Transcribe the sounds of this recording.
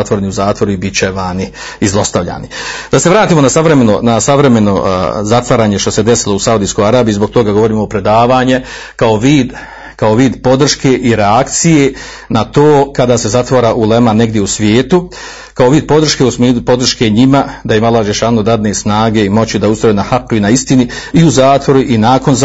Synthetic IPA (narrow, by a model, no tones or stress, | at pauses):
at̪ʋoɾeniuzaːt̪ʋo̞ɾuibit͡ɕeʋaːni | izlˠo̞st̪aʋʎa̰ːnid̪̥aseʋɾaːt̪iːmo̞nasaʋɾemenonasaʋɾe̞me̞no̞zat̪ʋaːɾaːɲe̞ʃt̪o̞se̞d̪esilˠousaud̪ijsko̞jaɾaːbjuizbokt̪o̞ɡaɡoʋo̞ɾiːmopɾe̞d̪aːʋaːɲe̞ | kao̞ʋiːd̪ | kao̞ʋiːd̪po̞d̪r̩ʃke̞ʔiɾeakt̪sije | nat̪oːkad̪aːse̞zat̪ʋaːɾaʔulemane̞ɡd̪je̞usʋjeːt̪u | kaoʋiːd̪̚po̞d̪ɾr̩ʃke̞ːusmeːd̪upo̞d̪r̩ʃke̞ɲimad̪ajimalːaːhad͡ʒeʃaːnod̪ad̪nesnaːɡe̞imo̞t͡ɕid̪aust̪ɾojenahaqːuinaist̪iniiuzaːt̪ʋo̞ɾuʔinaːko̞n